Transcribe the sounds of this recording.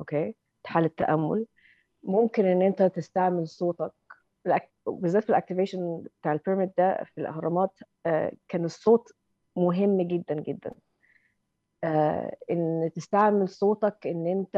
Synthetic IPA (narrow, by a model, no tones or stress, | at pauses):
ʔokeː | t̪ħaːlɪt̪ːæ̰ʔæmːo̰l | momkenʔenːʔent̪æt̪est̪aʕmelsˤoːt̪ɑk̚ | elʔæ | bezːæːt̪filʔæk̚t̪ɪveːʃænb̥et̪aːʕelpeɾmet̪̚d̪æfilʔɑ̰hɾˤɑmɑːt̪ː | kæːnesˤːoːt̪ | mʊɦemːɡed̪ːænɡed̪ːæ̰n | ʔent̪est̪aʕmelsˤoːt̪ˤɑkʔenːʔent̪æ